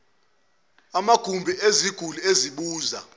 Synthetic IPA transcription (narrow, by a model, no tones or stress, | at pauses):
amaɡ̥ʱumbʱieziɡ̥ʱulueziɓuːza